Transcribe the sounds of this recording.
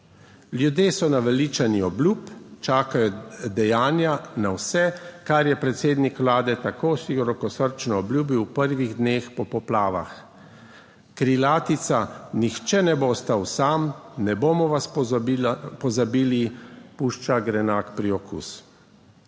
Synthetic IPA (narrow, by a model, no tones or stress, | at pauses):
ljud̪jeːsɔnaʋɛliːt͡ʃaniɔblʲuːpt͡ʃaːkajɔd̪ɛjaːnjanawsɛkaɾjɛpɾɛt̪seːd̪nikʋlaːd̪ɛt̪akosiɡɔɾɔkɔsəɾt͡ʃnɔːblʲjuːbiwpəɾʋiɣd̪neːxpɔpɔplaːʋa̰x | kɾilaːt̪it̪sanixt͡ʃɛnɛbost̪awsamnɛboːmɔʋas | pɔzabiːlipuʃt͡ʃaɡɾɛnaːkpɾiɔkṵs